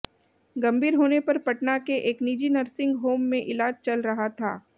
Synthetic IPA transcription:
ɡɐ̃mbʱiːɾɦoːnepɐɾpɐʈnakeʔeːkniːd͡ʒinɐɾsɪ̃ŋɡɦoːmːẽʔɪlaːd͡ʒt͡ʃɐlɾɐɦat̪ʰa̰ː

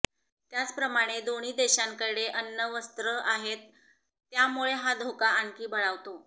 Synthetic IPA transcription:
t̪jat͡spɾəmaɽ̃ed̪oɽ̃iːd̪eɕaŋkəɽeʔənːəʋəst̪ɾəʔaɦet̪ː | jamuɭeɦad̪ʱokaaɳkiːbəɭaʋt̪o

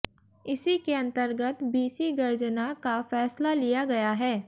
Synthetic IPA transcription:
ɪsikeɐ̃nt̪əɾɡət̪biːsiɡɐɾd͡ʒnakafɛːslalijaɡɐjaɦɛː

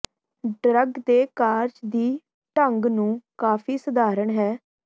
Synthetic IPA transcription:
ɖɾəɡd̪eːkaːɾd͡ʒd̪iː | ʈəŋɡnũːkaːpʰiːsəd̪aːɾəɳɦɛː

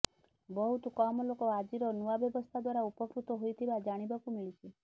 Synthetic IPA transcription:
bɔɦut̪ɔkɔmɔlokɔad͡ʒiɾɔnuabjɔbɔst̪ʰad̪waɾaupɔkɾut̪ɔɦojt̪ʰibad͡ʒaɽ̃ibakumiɭit͡ʃʰi

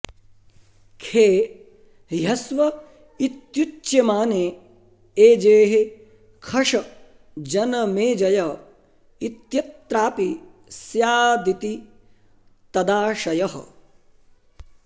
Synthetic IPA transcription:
kʰeː | ɦɐsʋɐ | it̪jut͡ʃjemaːneː | eːd͡ʒeːɦe | kʰɐʂɐ | d͡ʒɐnɐmeːd͡ʒɐjɐ | it̪jɐt̪ɾaːpi | sjaːd̪it̪i | t̪ɐd̪aːʃɐjɐɦɐ̰

